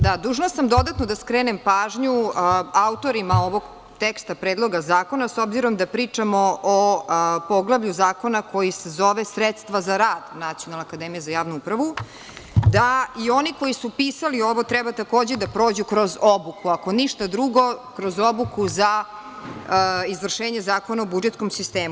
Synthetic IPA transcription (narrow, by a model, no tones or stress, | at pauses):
d̪ad̪uːʒnosamd̪o̞d̪at̪nod̪askɾeːnempaːʒɲuaut̪o̞ɾimao̞ʋoɡ | t̪ekst̪apɾeːd̪lˠo̞ɡazaːko̞nasobziɾo̞md̪apɾiːt͡ʂamoopo̞ɡlˠaʋʎuzaːko̞nako̞jisezoʋesɾet̪st̪ʋazaɾaːd̪nat̪sijonalakad̪emijezajaːʋnuupɾaʋu | d̪aio̞niko̞jisupiːsalio̞ʋo̞t̪ɾɛbat̪ako̞ːd͡ʑed̪apɾo̞ːd͡ʑukɾo̞zobukuako̞niʃt̪ad̪ɾuɡo̞kɾo̞zobukuza | izvr̩ʂʃeːɲezaːko̞naobud͡ʒet̪sko̞msist̪eːmu